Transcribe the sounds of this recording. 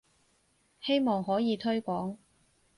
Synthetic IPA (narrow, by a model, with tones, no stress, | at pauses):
he˥jmɔː˨ŋɦɔː˨˥jiː˨˧t̪ʰɵ˥ɥkʷɔː˨˥ŋ